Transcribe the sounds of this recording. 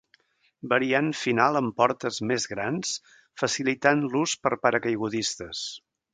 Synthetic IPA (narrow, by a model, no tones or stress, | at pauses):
bəɾianfinalˠəmpɔɾt̪əzmezɣɾans | fəsilit̪anluspəɾpəɾəkəjɣuðist̪əs